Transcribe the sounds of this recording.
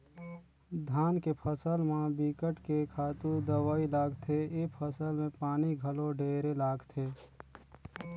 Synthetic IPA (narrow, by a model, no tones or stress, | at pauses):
d̪ʱaːnkepʰəsəlmãbiːkəʈkekʰaːt̪ud̪əʋaːilaːɡt̪ʰeepʰəsəlmẽpaːniɡʱəloɖeːɾelaːɡt̪ʰeː